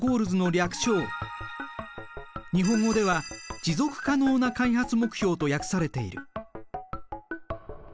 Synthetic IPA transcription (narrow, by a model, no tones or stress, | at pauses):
ɡo̞ːɾɯ̟zɨno̞ɾʲakɯ̥ɕo̞ː | ɲ̟iɦõ̞ŋɡo̞d̪e̞βad͡ʑizo̞kɯ̟̥kano̞ːnakaihat͡sɨmo̞kɯ̟̥çʲo̞ːt̪o̞jakɯ̟̥saɾe̞t̪e̞ḭɾɯ̟